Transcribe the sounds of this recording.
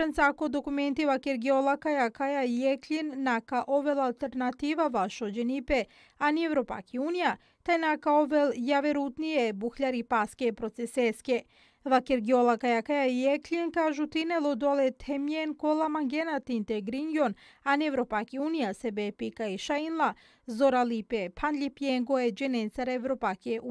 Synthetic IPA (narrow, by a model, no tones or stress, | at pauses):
ɾansakod̪okument̪iʋakeɾɡiolakajakajaijekʎinːakaʔoʋelalt̪eɾnat̪iːʋaʋaʃod͡ʒenipe | anievɾopa̰kiuːnija | t̪ajnakaoʋeljaʋeɾut̪nijebuxʎaɾipaskepɾot̪seseske | ʋakeɾɡiolakajakajaieklieŋkaːʒut̪inelod̪olet̪ʰemjenkolamaŋɡenat̪int̪eɡɾiŋɡon | anievɾopakiuːnijasebepikaiʃainla | zoɾalipepʰand̪ʎʲipjeŋɡoed͡ʒenensaɾevɾopakeu